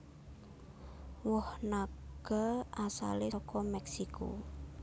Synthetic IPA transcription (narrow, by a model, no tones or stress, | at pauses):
wɔhnaɡ̥aʔasa̰leɔkʰɔmɛksikʰo̰